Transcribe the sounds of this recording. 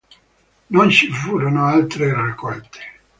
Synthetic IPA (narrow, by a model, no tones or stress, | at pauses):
nont͡ʃifuːɾonoalt̪ɾerakʰːɔlt̪ʰe̥